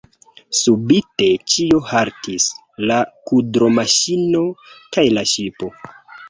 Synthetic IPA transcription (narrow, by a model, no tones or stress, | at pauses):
subite̞t͡ʃiohaɾtʰis | lakudɾo̞maʃino̞kajlaʃipo̞